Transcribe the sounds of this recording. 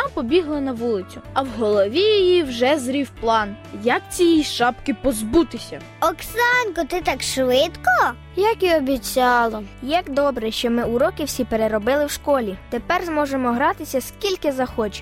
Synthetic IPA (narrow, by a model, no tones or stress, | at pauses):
ɑpɔbʲiɦlˠɐnɐʋulˠɪt͡sʲʊɐwɦɔlˠɔʋʲijɔjiwʒɛzɾʲiwplˠɑnjɐk̚t͡sʲijiʃɑpkɪpɔzbut̪ɪsʲɐ | ɔksɑnkɔt̪ɪt̪ɑkʃʋɪt̪kɔ | jɐkiɔbʲit͡sʲɑlˠɔjɐkd̪ɔbɾɛʃt͡ʃɔmɪuɾɔkɪwsʲipeɾeɾɔbɪlˠɪwʃkɔlʲit̪epɛrzmɔʒemɔɦɾɑt̪ɪsʲɐskʲilʲkɪzɐxɔt͡ʃɪ̥